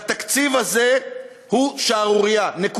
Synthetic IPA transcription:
t̪akt͡sivaze | huʃaːʁuʁijanek

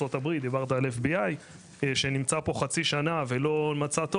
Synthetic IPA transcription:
o̞t̪abʁit̪̚d̪ibaʁd̪alefbiaj | ʃenimt͡sapo̞χat͡siʃanave̞lo̞mat͡sat̪o

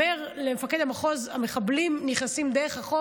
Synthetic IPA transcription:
eʁ | lemefaked̪amaχo̞zame̞χablimniχnasimd̪eʁeχhaχo

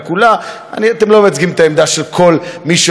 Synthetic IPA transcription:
kula | a̰niat̪emlo̞meat͡sɡimet̪aemd̪aʃelkʰo̞lmiʃ

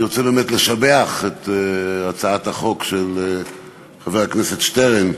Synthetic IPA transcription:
ʁot͡sebeːmetleʃabeaχetat͡saathaχo̞kʃel | χaveʁaknesetʃteʁen

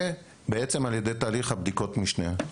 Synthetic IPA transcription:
e | beet͡se̞maljedejtaːliχhabd̪iko̞tmiʃne

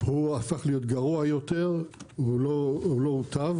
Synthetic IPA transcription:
huafaχlijo̞t̪ɡaʁuajot̪e̞ʁuloulout̪av

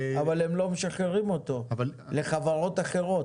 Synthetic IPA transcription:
avalemlo̞meʃaχeʁimo̞t̪o̞v | le̞χavaʁo̞t̪aχe̞ʁo̞t

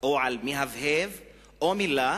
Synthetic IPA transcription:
oʕalmiɦavhev | omila

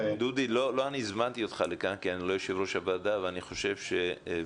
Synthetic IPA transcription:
d̪ud̪ilo̞lo̞anizmant̪io̞t̪χalekankianilo̞joʃevʁo̞ʃabad̪aveaniχo̞ʃe̞vʃe̞

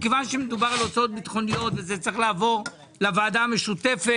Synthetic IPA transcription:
kevanʃemed̪ubaʁalot͡sao̞t̪̚bit̪χo̞nijo̞t̪vezet͡saʁeχlaːvo̞ʁ | lavaːd̪aːmeʃut̪e̞fe

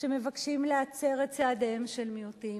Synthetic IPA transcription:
ʃe̞mevakʃimleat͡se̞ʁett͡saːdemʃe̞lmiuti

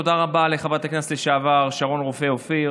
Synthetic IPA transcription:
od̪aʁabaleχabat̪aknasleʃaavaʁʃaʁo̞nʁofeofi

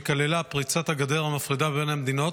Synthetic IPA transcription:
kalelapʁit͡sat̪aɡad̪eʁamafʁid̪abe̞nhamed̪ino̞t

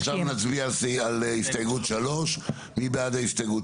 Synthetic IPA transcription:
χʃavnat͡sbiaalsalist̪aɡutʃalo̞ʃ | mibeadaist̪ajɡu

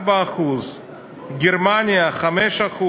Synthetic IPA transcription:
baːχuz | ɡeɾmanʲijaχamɛʃaχu

